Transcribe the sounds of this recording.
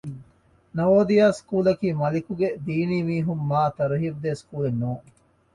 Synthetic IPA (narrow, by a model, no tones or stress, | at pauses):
nɐoːd̪ijaːskuːlɐkiːmɐlikuɡed̪iːniːmiːɦumːaːt̪ɐɾɐɦiɾd̪eskuːlenːuːŋ